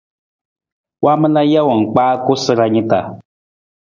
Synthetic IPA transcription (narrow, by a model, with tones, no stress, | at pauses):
wa˦mə˦la˦ja˦wɔ˨ŋ̩˨k͡paː˦ko˦sɨ˦ɾa˧ɲĩ˦ta̰˨